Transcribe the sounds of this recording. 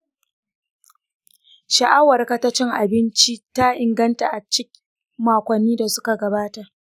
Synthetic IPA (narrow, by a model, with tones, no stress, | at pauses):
ʃa˨ʔa˦wɐ˨rka˨ta˦t͡ʃɪ˦ŋʔa˨bɪ˦nt͡ʃi˦ta˦ʔɪ˨ŋɡɐ˦nta˨ʔa˨t͡ʃɪ˦k | maː˨kʷɐ˨nːiː˦da˨sʊ˦ka˨ɡɐ˨baː˦ta˨ʔ